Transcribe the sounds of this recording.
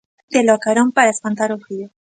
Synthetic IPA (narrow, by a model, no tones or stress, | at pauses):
d̪eloakaɾompaɾaespant̪aɾufɾio